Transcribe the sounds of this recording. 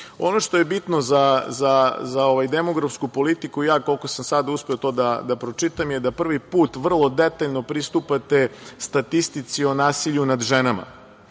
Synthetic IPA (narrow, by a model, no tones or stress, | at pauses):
o̞no̞ʂt̪o̞jebit̪no̞zazazao̞ʋajd̪emo̞ɡɾafskupo̞lit̪ikuijaːko̞lko̞samsad̪auspeot̪o̞ːd̪ad̪apɾo̞t͡ʂit̪amjed̪apr̩ʋipuːt̪ʋr̩lˠo̞d̪et̪aʎno̞pɾist̪upat̪e̞st̪at̪ist̪it̪sio̞naːsiʎunad̪ʒenama̰